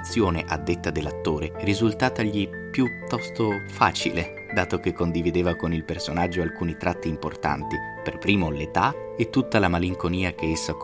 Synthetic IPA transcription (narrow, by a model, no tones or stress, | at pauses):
sːjoːneʔad̪ːet̪ːad̪elːat̪ːoːɾerizult̪aːt̪aʎi | pjut̪ːɔst̪ofa̰ːt͡ʃḭle | d̪aːt̪okekːond̪ivid̪eːvakonilpersonad͡ʒːoalkuːnit̪ɾat̪ːiːmport̪a̰nt̪i | perpɾiːmolet̪a | et̪ːut̪ːalamaliŋkoniːak̟eesːa